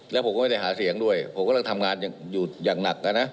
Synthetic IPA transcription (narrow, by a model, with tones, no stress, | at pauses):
lɛː˧˦˥pʰkːɔ˥˩m˥˩da˥˩ɦaː˩˦˥si˩˦əŋdu˥˩əjpʰo˩˦kɔː˥˩a˥˩t̪ʰa˧mŋaː˧njaː˨˩ŋjuː˨˩jaː˨˩ŋna˨˩k̚ʔa˧nːa˦˥ʔ